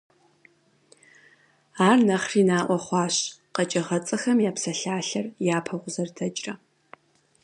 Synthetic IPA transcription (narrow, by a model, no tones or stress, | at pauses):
aːrnɐχriːnaːʔʷɔχʷɑːɕqɐt͡ʃʼɐʁɐt͡sʼɐxɐmjaːpsɐɬaːɬɐrjaːpʰɐʁʷʊzɐrdʰɐt͡ʃʼrɐ